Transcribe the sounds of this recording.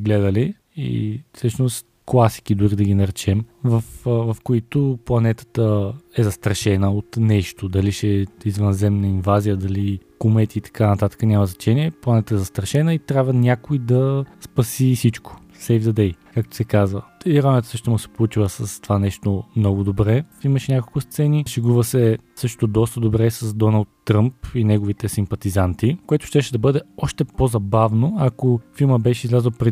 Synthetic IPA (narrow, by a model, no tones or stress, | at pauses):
ɡlɛd̪əli | ḭfsɤʃnost̪ | klˠasi̥k̟id̪ʊɾid̪ɐɡ̟ʲinɐɾt͡ʃɛmvəfvɐfkoit̪oplˠɐnɛt̪ə̥t̪əɛzɐst̪ɾɐʃɛnəot̪nɛʃt̪od̪ɐliʃɛizvənzɛmnəinvazijəd̪ɐlikomɛt̪ʲiːt̪ɐ̥kanɐt̪at̪ə̥kənʲaməznɐt͡ʃɛniɛplˠɐnɛt̪əɛzɐst̪ɾɐʃɛnəit̪ɾʲjabvənʲakʊid̪ɐspɐsisit͡ʃko̥ | sɛjvd̪ɐd̪ɛjkak̚t̪o̥sɛkazvə̰iɾɔnʲɛt̪əsɤʃt̪ɛmʊsɛ̥polˠut͡ʃivəsɐst̪ovanɛʃt̪omnɔɡʊd̪obɾɛfimɐʃɛnʲakolˠkʊst̪sɛniʃiɡuvəsɛ | sɤʃt̪od̪ɔst̪əd̪obɾɛsɐsd̪ɔnəlˠt̪ːɾɤmpinɛɡovit̪ɛsimpɐt̪izant̪ikoɛt̪ʊ̥ʃt̪ɛʃɛd̪ɐbɤd̪ɛɔʃt̪ɛpozɐbavnoɐkofilˠməbɛʃɛizlʲazəlˠpɾɛ